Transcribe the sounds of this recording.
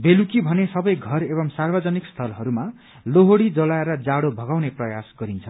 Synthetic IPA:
belukibʱʌnesʌbʌjɡʱʌrebʌŋsarbʌd͡zʌnikst̪ʰʌlɦʌɾuma | loɦoɽid͡zʌlaeɾʌd͡zaɽobʱʌɡawneprʌjasɡ̥ʌɾint͡sʰʌ

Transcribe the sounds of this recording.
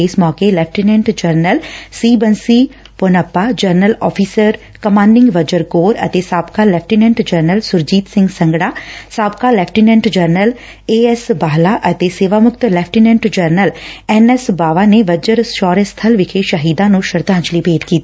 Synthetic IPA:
ɪsmɔːkelɛːp̚ʰʈinɛ̃ɳʈd͡ʒəɾnəlsiːbənsiː | ponəpːaːd͡ʒəɾnəlɔːpʰiːsəɾ | kəmãːɳɖɪ̃ŋɡʋəd͡ʒəɾɡoːɾə̰t̪eːsaːbkaːlɛːp̚ʰʈinɛ̃ɳʈd͡ʒəɾnəlsʊɾd͡ʒiːt̪sɪ̃ŋɡsə̃ŋɡɽaːsaːbkaːlɛːpʰʈinɛ̃ɳʈd͡ʒəɾnəl | eːɛsbaːɦlaːʔət̪eːseːʋaːmʊkt̪lɛːp̚ʰʈinɛ̃ɳʈd͡ʒəɾnəlɛnɛsbaːʋaːneːʋəd͡ʒəɾʃɔːɾest̪ʰəlʋɪkʰeːʃəɦiːd̪ãːnũːʃəɾd̪ãːɲt͡ʃliːpeːʈkiːt̪i

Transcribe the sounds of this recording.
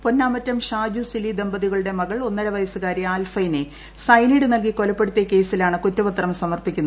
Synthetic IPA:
ponːaːmɐtːɐmɕaːd͡ʑusilid̪embɐðiɣɐɭuɽe̞mɐɣɐɭonːɐɽɐʋɐjɐsɨɣaːɾiaːlfɐjine | sɐjniɽɨnɐlk̬iko̞lɐpːeɽut̪ːjɐke̞ːsilaːɳɨkutːɐʋɐt̪rɐmsɐmɐrpikʲːunːɐ

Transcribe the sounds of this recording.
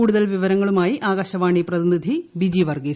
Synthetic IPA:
uːɽuðɐlʋiʋɐɾɐŋːɐɭumaːjiʔaːɣaːɕɐʋaːɳiprɐðinid̪ʱibid͡ʑiʋɐrɡeː

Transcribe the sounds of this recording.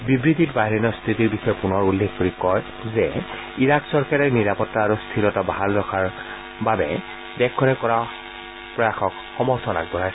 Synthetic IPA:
bibɹititbaɦiɹɛnɔst̪ʰɹitiɹbixɔjɔpunɔɹulːexkoɹikɔj | zɛ | iɹaksɔɹkaɹɛɹniɹapɔtːaːɹust̪ʰilɔtabaɦalɹɔxʰaɹ | babɛ̰ | dɛkʰːɔnɛkɔɹa | pɹɔjaxɔk | xɔmɔɹsʰɔna̰ɡ̚bɔɹajs

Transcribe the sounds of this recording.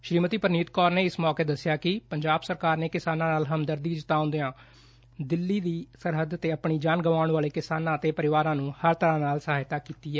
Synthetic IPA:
ʃɾiːmət̪iːpəɾniːt̪kɔːɾneːɪsmɔːkeːd̪əsːɪjaːkɪpəɲd͡ʒaːbsəɾkaːɾneːkɪsaːnãːnaːlɦəmd̪əɾd̪iːd͡ʒɪt̪aːʊ̃nd̪eːãː | d̪ɪlːiːd̪iːsəɾɦəd̪ət̪eːəpɳiːd͡ʒaːnɡəʋaːʊɳʋaːleːkɪsaːnãːət̪eːpəɾɪʋaːɾãːnũːhəɾt̪əɾãːnaːlsəɦaːɦɪt̪aːkiːt̪iːɛː

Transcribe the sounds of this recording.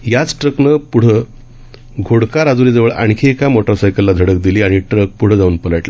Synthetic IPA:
jat͡sʈɾəknəpuɽ̤ə | ɡʱoɽkaɾad͡zuɾiːd͡zəʋəɭʔa̰ɳkʰeːkamoʈəɾsajkəlːad̪ʱəɽək̚d̪iliːaɽ̃iʈɾək̚puɽ̤əd͡zauːnpələʈla

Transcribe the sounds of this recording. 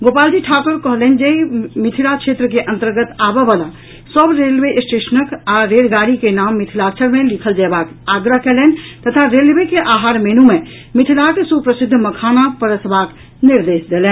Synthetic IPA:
ɡopald͡ʒiʈʰakəɾkəɦlɛn̆d͡ʒeimit̪ʰilakt͡ʃʰet̪ɾəkeʔə̃nt̪əɾɡət̪abɛbala | səbɾelbeʔsʈeʃənəkaɾeɾɡaɾikenamːit̪ʰilat͡ʃʰəɾmelikʰəld͡ʒabakaɡɾəɦkɛlɛn̆t̪ət̪ʰaɾelbekeʔaɦaɾmenume | mit̪ʰilaksupɾəsid̪ʱːməkʰanak̚pəɾəsbak | niɾd̪esd̪elɛn

